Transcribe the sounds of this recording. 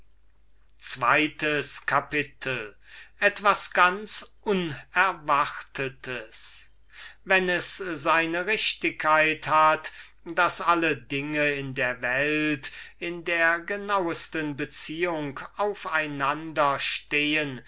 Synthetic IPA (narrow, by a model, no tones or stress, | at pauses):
t͡sv̥a̰ɪtəskʰapɪtʰəl̩ | ʔɛtv̥asɡ̥ansʔʊnɛɐvaχtʰətʰəs | vɛnɛszaɪnəʁɪʃtɪkʰːaɪthat | d̥asalədɪŋəɪndeːɐvɛltɪndeːɐɡənawəstənbət͡siːʊŋkaʊfaɪnandɐʃteːən